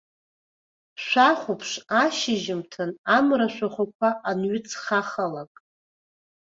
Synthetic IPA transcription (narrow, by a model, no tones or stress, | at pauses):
ʃʷaχʷupʰʂaʃɪʒɪmtʰɨnamɾaʃʷᶣaχʷakʷʰaːnɥʏt͡sʰχaχalakʼ